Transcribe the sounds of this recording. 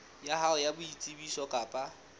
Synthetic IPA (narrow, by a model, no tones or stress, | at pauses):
jahaʊjabʊit͡sʼibisɔkʼapʼa